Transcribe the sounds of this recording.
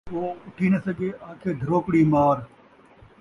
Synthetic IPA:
oːʊʈʰiːnɐsəɡeːʔaːkʰeːd̪ʱəɾoːkɽiːmaːɾ

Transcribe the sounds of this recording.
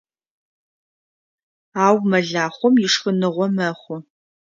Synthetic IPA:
aːwmɐɮaːχʷɔmjɪʂxənɨʁʷɔmɐχʷʊ

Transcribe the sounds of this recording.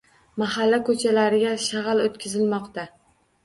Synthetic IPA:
maɦalːakʰɵt͡ʃʰalaɾɪɡʲaʃaʁɑlot̪kʲʰɪzɪlmɒqt̪a

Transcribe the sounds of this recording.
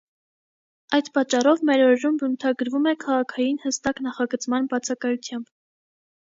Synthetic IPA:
ɑjd̪pɑt͡ʃːɑrɔvmɛɾɔɾɛɾumbənt̪ʰɑɡəɾvumɛkʰɑʁɑkʰɑjinhəst̪ɑknɑχɑɡət͡smɑnbɑt͡sʰɑkɑjut͡s̪ʰjɑmb

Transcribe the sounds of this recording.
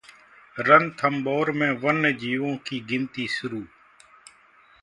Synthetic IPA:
ɾənt̪ʰəmɓoːɾmẽːʋənːed͡ʒiːʋõːkiːɡɪnt̪iːsʊɾuː

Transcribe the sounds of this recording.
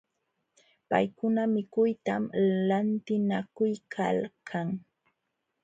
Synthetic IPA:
pa̰jkʊnamɪkʊjt̪amlant̪ɪnakʊjkʰa̰lkʰaŋ

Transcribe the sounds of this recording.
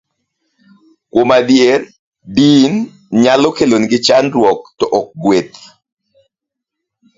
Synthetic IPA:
kwomadjer | din | ɲalɔkelonɡɪt͡ʃanɾwɔk̚tɔʔɔk̚ɡwet̪̚

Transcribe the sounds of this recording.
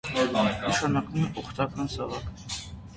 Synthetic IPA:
nəʃɑnɑkʼvumɛʔɔχt̪ʰɑkɑnsɑvɑk

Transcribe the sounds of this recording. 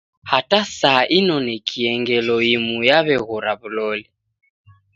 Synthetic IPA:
hatasaːʔinɔnɛkʰiɛŋɡɛlɔimujaβɛɣɔɾaβulɔli

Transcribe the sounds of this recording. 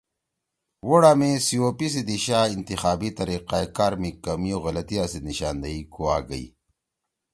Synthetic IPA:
woɽaːmesiopisid̪iɕaːint̪ixaːbit̪ɐɾiqaekaːɾmikɐmioɣɐlɐt̪iasiniɕaːnd̪ɐikoaːɡɐ̰ḭ

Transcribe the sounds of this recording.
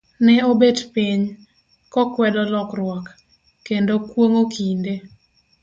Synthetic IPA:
nɛobedpiɲ | kɔkwɛdɔlɔkrwɔk | kːendokwoŋokinde

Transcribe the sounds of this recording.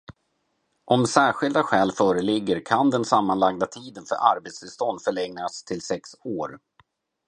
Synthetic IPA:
ʔɔmsæːɾɧɪld̪aɧɛːlfœːɾəlɪɡːəɾkʰand̪ɛnsamːanlaɡd̪at̪ʰiːd̪ənfœ̰ɾʔa̰ɾbeːt̪st̪ɪlst̪ɔnd̪fœɭɛŋnast̪ʰɪlsɛksoːɾ

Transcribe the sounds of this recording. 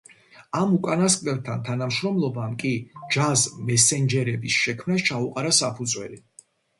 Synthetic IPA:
amukʼanaskʼlɛbt̪ʰant̪ʰanamʃɾɔmlˠɔbamkʼid͡ʒazmɛsɛnd͡ʒɛɾɛbisʃɛkʰmnast͡ʃʰauqʼaɾasapʰud̪zwɛ̰li

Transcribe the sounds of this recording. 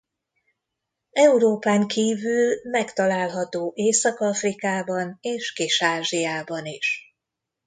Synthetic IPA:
ɛuɾoːpaːŋkiːvylmɛkt̪ɒlaːlɦɒt̪oːʔeːsɒkɒfrikaːbɒneːʃkiʃaːʒijaːbɒniʃ

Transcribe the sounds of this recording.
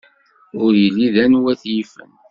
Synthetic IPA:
ʊɾjilːiðænwæθjifə̰n

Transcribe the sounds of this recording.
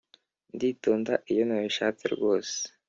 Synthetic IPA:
nditoːnda̰ʔijo̞naβiʃaːt͡sḭɾɡo̞ːse̥

